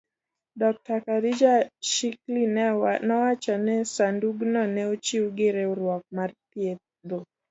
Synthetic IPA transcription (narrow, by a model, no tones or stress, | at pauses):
dɔk̚takaɾid͡ʒaʃiklinnawat͡ʃanɛsanduɡnɔnɛut͡ʃiuɡɛɾɛuɾwakumaɾpiɛ | dɔ